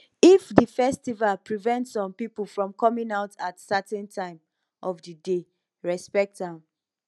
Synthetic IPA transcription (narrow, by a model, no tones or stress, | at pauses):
ifdəfɛstivalpɹivɛ̃ntsɔ̃mpipulfɹɔ̃mkɔmĩŋaʊtatsatɛ̃ntʰãɪ̃m | ʔɔfdəde | ɹɛspɛk̚tãm